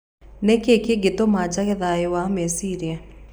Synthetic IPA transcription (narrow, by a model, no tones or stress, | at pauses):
nekekeɡetomad͡ʒaɣɛðaewamesiɾia